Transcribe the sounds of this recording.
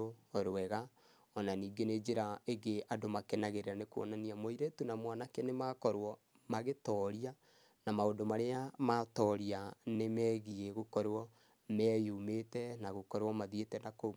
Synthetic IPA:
ooɾwɛɣa | ɔnaniːɡened͡ʒeɾaeɡeadomakɛnaɣeɾeɾanekwɔ̰naniamoiɾɛtunamwanakenemakɔɾwɔ | maɣetɔɾia | namaondomaɾeamatɔɾianemɛːɣieɣokɔɾwɔ | mɛjumetɛnaɣokɔɾwɔmaðietɛnako

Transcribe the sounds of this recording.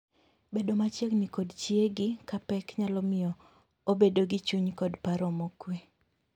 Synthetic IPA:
bedomat͡ʃjeknɪkodt͡ʃieɡɪkapɛkɲalɔmɪɔ | obedoɡɪt͡ʃuɲkɔdpaɾomokwe

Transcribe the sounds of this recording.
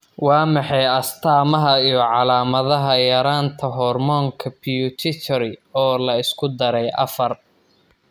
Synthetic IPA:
wɑːmɑħɑjɐst̪ʰaːmɐɦɐijɞʕɑlaːmɐðɐɦɐjɐɾaːnt̪ʰɐɦɔrmɔŋkʰɐpʰijut̪ʰɪt̪ʰɔɾɪɔːlɐɪskʰʊd̪ɐɾɛjʔɐ̰fɐr

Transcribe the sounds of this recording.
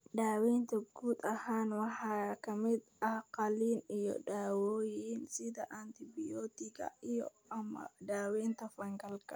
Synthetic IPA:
ᶑaːwɛːnt̪ɐɡuːt̪ʼɐhaːnwɑħakɐmɪd̪ʔɐhqɐliːnɪjɔ̰ɗaːwoːjiːnsɪd̪ɐʔant̪ɪbɪjɔːt̪ɪkɐ̰ɪjɔ̰ | ɐmɐ̰ɗaːwɛːnt̪ɐfɐŋɡɐlkɐ

